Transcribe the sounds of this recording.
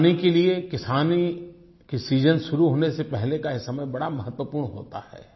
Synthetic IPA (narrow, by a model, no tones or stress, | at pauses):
nikeliekɪsaːni | kisiːzənʃʊɾuɦoːnesepɛɦlekaɪsɐmebɐɽamɐɦət̪wəpuːɾɳɦo̰ːt̪a̰hɛ̰ː